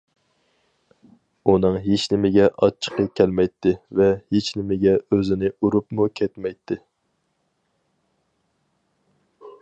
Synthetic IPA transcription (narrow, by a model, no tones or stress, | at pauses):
unɨŋɦet͡ʃnɪmɪɡʲɛʔɑt͡ʃʰːə̥qɑkʲʰɛlmɛjt̪ʰːɪvɛhet͡ʃnɪmɪɡʲɛøzɪnɪuɾupmukʲʰɛt̪mɛjt̪ʰːɪ